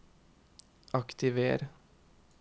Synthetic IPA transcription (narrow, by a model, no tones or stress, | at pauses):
ʔɑkt̪ɪʋḛːɾ